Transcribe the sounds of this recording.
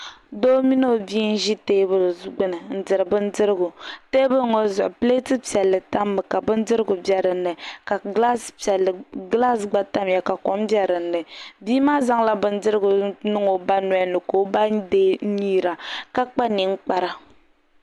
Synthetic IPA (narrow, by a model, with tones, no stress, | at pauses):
do˦mi˦no˦˨biː˦n̩˦ʒi˦teː˦bɨ˨ɾɡ͡bɨ˦nɨ˨n̩˨dɨ˨ɾɨ˨bɨ˦n˦dɨ˦ɾɨ˦ɡʊ˨te˦bʊ˦ɾŋo˨zʊ˨ʔʊ˨ple˦tɨ˦pi˨ɛ˨lːɨ˨ta˦mːɨ˨ka˨bɨ˦n˦dɨ˦ɾɨ˦ɡʊ˨bɛ˦ɾɨ˨nːɨ˨ka˨ɡla˦spi˨ɛ˨lːɡla˦sɡ͡ba˦ta˦m˦ja˨ka˨ko˨˦mbjɛ˦ɾɨ˨nːɨ˨biː˦maː˦za˦ŋla˦bɨ˦n̩˦dɨ˦ɾɨ˦ɡʊ˨nɨ˦ŋo˨ba˦nɔ˦a˦nɨ˨ko˨˦ba˦deː˦ɲi˦ɾa˨ka˦k͡pa˦ni˨ŋ̩˦k͡pa˦ɾa˨